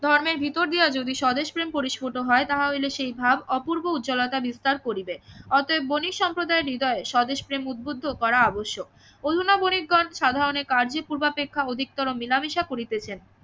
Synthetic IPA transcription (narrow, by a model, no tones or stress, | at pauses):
d̪ʱɔɾmeɾbʱit̪oɾd̪iad͡ʑod̪iʃɔd̪eʃpɾempoɾiʃpoʈoɦɔet̪aɦaoleʃejbʱabɔpuɾbout̪ːd͡ʑolɔt̪abist̪aɾkoɾibeɔt̪oebonikʃɔmpɾod̪aeɾɾid̪ɔeeʃɔd̪eʃpɾemud̪̚bod̪ʱːokɔɾaaboʃːo | od̪ʱunabonikɡɔnʃad̪ʱaɾonekaɾd͡ʑepuɾbapekʰːaod̪ʱik̚t̪ɔɾomilamiʃakoɾit̪et͡ɕʰen